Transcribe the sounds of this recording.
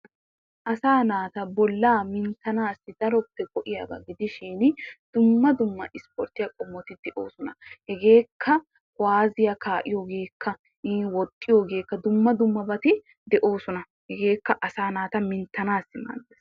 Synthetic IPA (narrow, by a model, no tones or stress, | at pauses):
ʔɐsaːnaːt̪ɐbɔlːaːmɪnt̪ːɐnaːsːɪd̪̥ɐɾɔpːɛɡɔʔɪja̰ːbɐ̰ɡɪd̪ɪʃinɪd̪̥ʊmːɐd̪ʊmːɐʔɪspɔ̰ɾt̪ɪjɐkʼɔmːɔt̪ɪd̪ɛʔo̰ːsʊnɐ̰hɛɡe̞ːkʰːɐ | waːzɪjɐkaːʔɪjoːɡe̞ːkʰːɐ | wɔt̪ʼːɪjoːɡe̞ːkːɐd̪ʊmːɐd̪ʊmːɐbɐt̪ɪ | d̪ɛʔo̞ːsʊnɐ | hɛɡe̞ːkːɐʔɐsaːnaːt̪ɐmɪnt̪ːɐnaːsːɪma̰ːɡeːs